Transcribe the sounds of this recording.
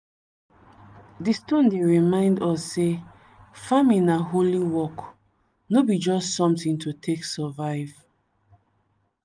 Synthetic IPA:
distõndeɹimãɪ̃ndɔsːe | famĩnaɦoliwɔk | nobid͡ʒɔstsɔ̃mtĩntʰutʰeksɛvaɪv̥

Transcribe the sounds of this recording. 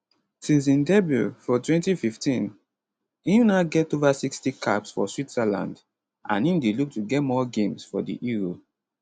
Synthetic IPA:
sĩns̬ĩndɛbɹṵfɔtwɛ̃ntififtĩn | ĩjunaɡɛtovasikstikʰa̰psfɔ̰switsalã̰nd | ã̰nĩmdeluk̚tuɡɛtmɔɡẽmsfɔdḭʔiɹo

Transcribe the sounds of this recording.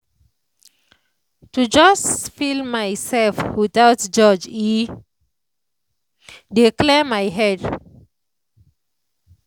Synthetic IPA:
tud͡ʒɔsfilmajsɛlfwit̪awtd͡ʒɔd͡ʒi | diklɛmajɦɛd

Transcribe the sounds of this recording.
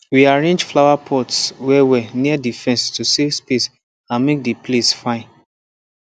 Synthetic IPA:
wiaɹẽnd͡ʒflawapʰɔtswɛwɛniadifɛ̃nstusekspes | ãnmek̚diplesfãɪ̃n

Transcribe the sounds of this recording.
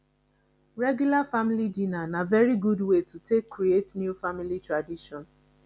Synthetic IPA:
ɹɛɡjulafamilidinanavɛɾiɡudwetutekːɾietnjufamilitɾadiʃɔ̃n

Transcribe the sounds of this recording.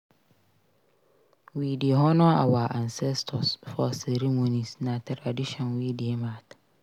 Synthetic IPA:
widieɦɔnʊ̃a̰waʔansɛstʰɔsfɔsɛɾemonĩsnãtʰɾadiɕɔ̃nwidiemãt

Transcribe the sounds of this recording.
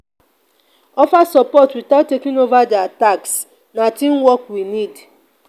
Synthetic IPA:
ɔfasɔpɔtwitaʊtːekĩŋovadɪataks | natĩmwɔkwinid

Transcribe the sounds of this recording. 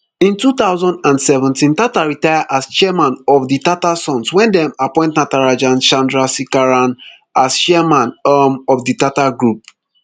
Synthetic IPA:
ĩntutaʊzɔ̃ndãnsɛvɛ̃ntĩntataɹitajaʔast͡ʃɛɛmãnɔfditatasɔ̃nswɛ̃ndɛ̃mapɔ̃ɪ̃ntnataɹad͡ʒãnʃãndɹasikaɹãn | asʃɛɛmãnɔmɔvditataɡɹup̚

